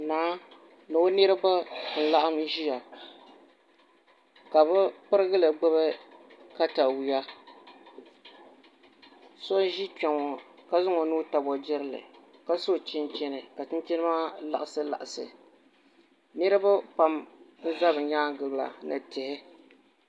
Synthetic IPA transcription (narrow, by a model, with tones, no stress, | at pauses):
naː˨˦ | nɨ˨o˦nɨ˦ɾɨ˦ba˦˨n̩˨la˦ʔa˦m˦ʒi˦ja˨ | ka˨bɨ˦pɨ˦ɾɨ˦ɡɨ˦lɨ˨ɡ͡bɛ˦βɨ˦ | ka˦ta˨wi˨ja˦ | so˦ʒi˦k͡pɛ˨ŋɔ˨ka˦zʊ˦ŋɔ˨nuː˦ta˨bɔ˨d͡ʒɪ˦ɾɨ˦lɨ̰˨ka˦so˦˨t͡ʃɪ˦nt͡ʃɛ˦nɨ˨ka˨tɨ˦n˦t͡ʃɪ˦nɨ˦maː˦la˨ʔa˨sɨ˦la̰˨ʔa˨sɨ̰˨ | nɨ˦ɾɨ˦ba˦pa˨mn̩˦za˦bɨ˨ɲaː˦ɡɨ˨lla̰˨nɨ̰˨tɪ˨hɪ˦